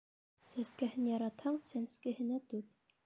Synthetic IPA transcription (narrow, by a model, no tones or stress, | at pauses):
sæskæhɘnjɑɾɑt̪hɑɴsænskɘ̆hɘ̆næt̪uɾ